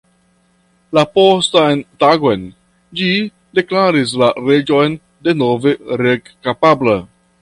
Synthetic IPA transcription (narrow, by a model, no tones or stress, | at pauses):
lapostajntaɡo̞jn | d͡ʒi | de̞klaɾis̬laɾe̞d͡ʒo̞jn | de̞nove̞ɾekkapabla